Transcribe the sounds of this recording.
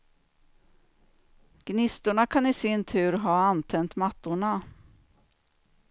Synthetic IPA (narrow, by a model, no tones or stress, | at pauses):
ɡ̥nɪst̪ʊɳakʰanɪsɪnt̪ʰʉ̟ːɾɦɑːant̪ʰɛnt̪mat̪ːʊɳa